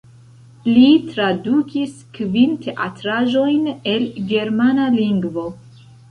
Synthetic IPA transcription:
litɾadukiskvinte̞ʔatɾaʒo̞jne̞lɡe̞ɾmanaliŋɡvo

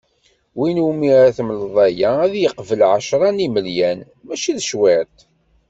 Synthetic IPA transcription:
winumiɾæθmlðˤæjææðjəqvəlʕaʃɾˤɑniməljæn | mæʃiðəʃwɪʕt̪

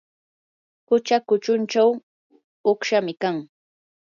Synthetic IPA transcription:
hʊt͡ʃakʊt͡ʃʊnt͡ʃaw | oχʃamɪkaŋ

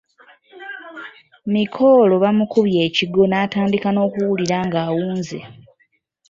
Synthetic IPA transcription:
mikʰo̞ːlo̞βamukuβje̞ːciɡo̞naːtaːndikano̞ːkuwuliɾaːŋɡaːwuːnzḛ

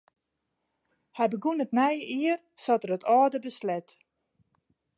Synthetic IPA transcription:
hɛjbəɡunətnɛjəʔiər | sɔtərətʰɔːdəbəslɛt

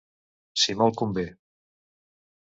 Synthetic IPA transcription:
simɔlˠkumbe

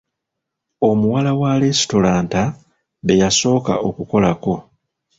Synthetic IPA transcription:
o̞muwalawale̞sto̞laːnta | βe̞jaso̞ːka̰o̞kuko̞lako̞

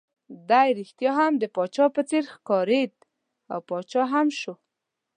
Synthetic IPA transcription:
d̪ajɾixt̪jɑɦamd̪əpɑt͡ʃɑpət͡seɾxkɑɾed̪̚ | a̰wpɑt͡ʃɑɦamʃo

